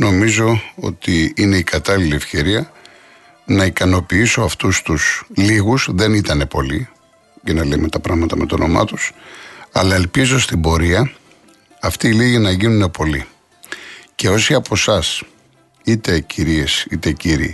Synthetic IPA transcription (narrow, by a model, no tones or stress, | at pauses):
no̞mizo̞o̞̰t̪iine̞ikɐt̪ɐliliefçe̞ɾiɐ | nɐikɐno̞piiso̞ɐft̪ust̪usliɣuzðe̞nit̪ɐne̞po̞li | ʝɐnɐlemet̪ɐpɾɐɣmɐt̪ɐme̞t̪o̞no̞mɐ̰t̪usɐ̰lɐe̞lpizo̞st̪imbo̞ɾiɐ | ɐft̪iːliʝinɐʝinune̞po̞li | ce̞o̞siɐpo̞sɐs | it̪e̞cʰiɾie̞sit̪e̞ciɾḭ